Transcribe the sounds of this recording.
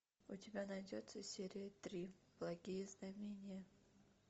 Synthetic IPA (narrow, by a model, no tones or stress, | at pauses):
ʊtʲɪbʲanɐjdʲot̪səsʲeɾʲɪjət̪ɾʲi | b̥lˠɐɡʲijəznɐmʲenʲɪjə